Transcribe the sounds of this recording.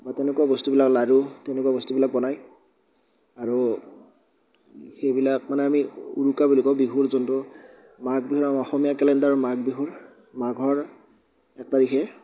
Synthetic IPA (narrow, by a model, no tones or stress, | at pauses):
mɔjtɛnekwabɔstubilaklaɹutɛnɛkuwabɔstubilak̚bɔnaj | aɹu | xejbilakmanɛamiṵɹukabulikɔʊbiɦuɹzɔntʊ | maɡ̚biɦuɹamiɔxɔmijakɛlɛndaɹumaɡ̚biɦuɹ | maɡʱɔɹ | ɛk̚taɹixʰɛ